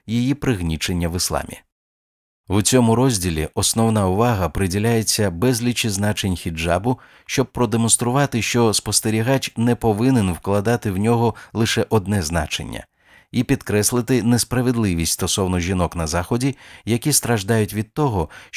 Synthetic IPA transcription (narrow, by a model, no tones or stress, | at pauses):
jijipɾɪɣnʲit͡ʃe̞nʲːɐʋɪslˠɑ̰mʲḭ | wt͡sʲɔmʊɾɔzʲdʲilʲḭʔɔsnɔwnaʊʋɑɦɐpɾɪdʲilʲajet͡sʲːɐbɛzʲlʲit͡ʃiznat͡ʃenʲxʲid͡ʒabʊ | ʃt͡ʃɔb̚pɾɔd̪emɔnst̪ɾʊʋɑt̪ɪʃt͡ʃɔspɔst̪eɾʲiɦat͡ʃnɛpɔʋɪnenwklˠɐd̪ɑt̪ɪwnʲɔɦɔlˠɪʃɛʔɔd̪nɛznɑ̰t͡ʃḛnʲːɐ̰ | ipʲid̪kɾɛslˠɪt̪ɪnespɾɐʋed̪lˠɪʋʲisʲtʲst̪ɔsɔwnɔʒʲinɔknɐzɑxɔdʲijɐkʲist̪ɾɐʒd̪ɑjʊtʲʋʲid̪̚t̪ɔɦɔ